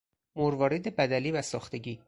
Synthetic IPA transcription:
moɾvɒːɾed̪ebæd̪æliːvæsɒːxt̪e̞ɟiː

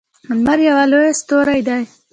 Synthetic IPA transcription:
manmaɾjawaloest̪oɾajd̪aj

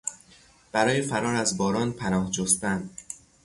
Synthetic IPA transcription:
b̥æɾɒːjefæɾɒːɾæzbɒːɾɒːnpʰænɒːhd͡ʒost̪ænd̪

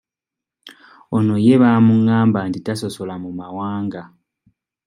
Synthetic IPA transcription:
ono̞je̞βaːmuŋaːmbantitaso̞so̞lamumawaːŋɡa

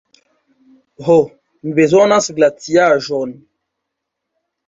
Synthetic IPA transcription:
ɦo | n̩bezɔnãsiɡlatiaʒɔn

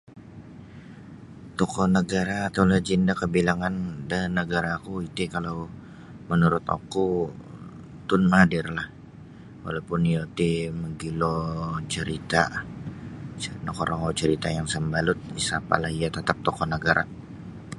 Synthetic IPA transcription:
t̪okɔnəɡaɾaːt̪awlaht͡ʃindakəbilaŋandanːəɡaɾakuit̪ikalaw | mənuɾʊt̪o̰ku | t̪ʊnmadɪrlah | wa̰lawpʊnijot̪iməɡilot͡ʃəɾit̪a | t͡ʃənakoɾaŋot͡ʃəɾit̪ajaŋsəmbalʊt̪̚disapa̰lahijat̪at̪ap̚t̪ɔkɔnəɡaɾa̰

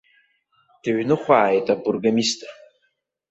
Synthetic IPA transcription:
d̥aɥnɨχʷaːjtʼabʼurɡamistʼ

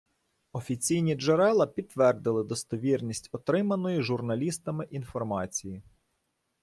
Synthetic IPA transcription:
ɔfʲit͡sʲijnʲid͡ʒeɾɛlˠɐpʲid̪̚t̪ːʋɛrd̪ɪlˠɪd̪ɔst̪ɔʋʲirnʲisʲtʲɔt̪ɾɪmɐnɔjʊʒʊrnɐlʲist̪ɐmɪʔinfɔrmɑt͡sʲiji

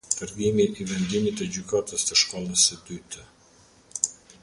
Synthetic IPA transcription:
t̪əɾɡimiʔɛvɛnd̪imit̪ɛd͡ʑykat̪əst̪əʃkɔlˠəsəd̪yt̪ə

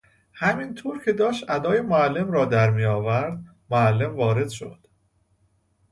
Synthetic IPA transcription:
hæmint̪ʰoːɾcʰe̞d̪ɒːʃt̪ʔæd̪ɒːjemoælːe̞mɾɒːd̪æɾmijɒːvæɾd̪ | moælːe̞mvɒːɾe̞d̪̥ʃod̪̥

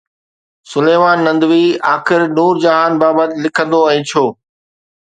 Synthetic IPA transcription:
sʊleːʋaːnːɐ̃nd̪ʋiːaːxɪɾnuːɾd͡ʑɐɦaːnbaːbət̪ɪlɪkʰə̃nd̪oɛ̃ːt͡ɕʰoː

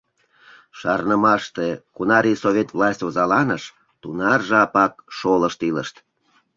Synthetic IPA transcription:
ʃɑrnəmɑʃt̪ekunɑɾisoβʲet̪vlɑsʲtʲozɑlɑnəʃ | t̪unɑrʒɑpɑk̚ʃoləʃt̪iləʃt̪

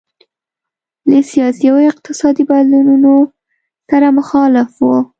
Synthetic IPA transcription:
ləsijɑsijawoɪq̚t̪ɪsɑd̪ibad̪lununo | saɾamʊxɑlɪfwo

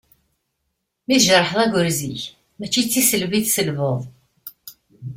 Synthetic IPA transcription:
miðʒɾˤːəħðˤæɡəɾziç | mæt͡ʃːit͡sːisəlviðsəlvəðˤ

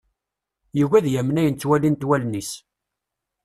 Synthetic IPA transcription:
juvæðjæmːnæjənt͡sːwælint̪wælnis

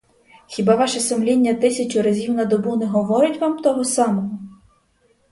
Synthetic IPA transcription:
xʲibɑʋɑʃɛsʊmlʲinʲːɐt̪ɪsʲɐt͡ʃʊɾɐzʲiwnɐd̪ɔbunɛɦɔʋɔɾʊtʲʋɑmt̪ɔɦɔsɑmɔɦɔ

